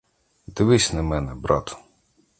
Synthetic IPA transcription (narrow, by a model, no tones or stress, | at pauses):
d̪ɪʋɪsʲnɐmɛnɛbɾɑt̪ʊ̥